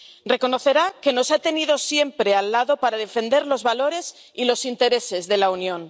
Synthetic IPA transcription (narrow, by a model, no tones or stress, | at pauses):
re̞ko̞no̞θe̞ɾake̞no̞sat̪e̞nið̞o̞sje̞mpɾe̞alːaðo̞paɾað̞e̞fe̞nd̪e̞ɾlo̞zβalo̞ɾe̞s | ilo̞sint̪e̞ɾe̞se̞zðe̞launjõ̞n